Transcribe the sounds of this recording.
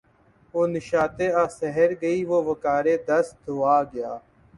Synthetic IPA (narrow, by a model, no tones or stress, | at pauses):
oːnɪʃaːt̪eːaːsɛɦəɾɡəiːʋoːʋəkaːɾeːd̪əsd̪ʱʊːaːɡɪjaː